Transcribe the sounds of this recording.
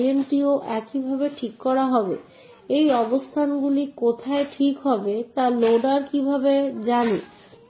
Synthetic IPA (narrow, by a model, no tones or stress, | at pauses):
ieɳʈioʔɛkibʱabeʈʰikːɔɾaɦɔbḛ | ejɔbost̪ʰanɡulikot̪ʰaeʈʰikɦɔbet̪aloɖaɾkibʱabed͡ʑani